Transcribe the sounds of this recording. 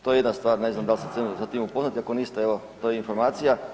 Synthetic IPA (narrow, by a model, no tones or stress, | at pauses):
t̪o̞jejed̪nast̪ʋaːɾne̞znamd̪alʲsesemzat̪imupo̞znat̪iako̞nist̪aeʋot̪ojeinfo̞ɾmaːt̪sija